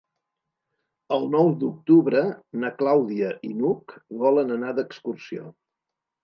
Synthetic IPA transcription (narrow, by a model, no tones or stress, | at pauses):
əlˠnɔwd̪uk̚t̪uβɾənəklawðiəʔinukβɔlənənad̪əkskursio̰